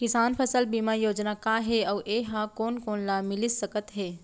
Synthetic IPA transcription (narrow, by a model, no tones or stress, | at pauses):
kɪsaːnpʰəsəlbiːmajoːd͡ʒnakaːɦeɔːʔeːɦãkoːnkoːnlaːmɪlɪsəkət̪ɦeː